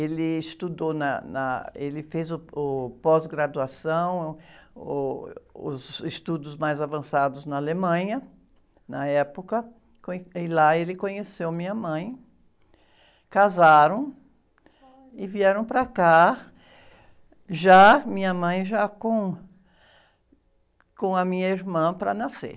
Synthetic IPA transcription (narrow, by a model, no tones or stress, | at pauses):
elɪɪst̪ud̪onɐnɐ̰elɪfezʊʊpɔzɡɾad̪uasɐ̃w̃ | ʊ̰zɪst̪ud̪ʊzmajzavɐ̃sad̪ʊznɐalemɐ̃ɲɐ | nɐɛpokɐ | kõɪlaelɪkõɲesewmĩɲɐmɐ̃j̃ | kazaɾɐ̃w̃ | ɪviɛɾɐ̃w̃pɾɐka | ʒamĩɲɐmɐ̃j̃ʒakõ | kõɐmĩɲɐiɾmɐ̃pɾɐ̰nasḛ